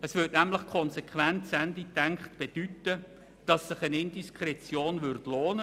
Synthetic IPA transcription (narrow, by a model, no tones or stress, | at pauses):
əsʋʏt̚næmləχkʰɔnsekʰχʋɛntsænditæŋkχtb̥ed̥ytə | d̥ɑsːɪχənɪndiskʰrɛt͡sjoːnʋʏrtloːnə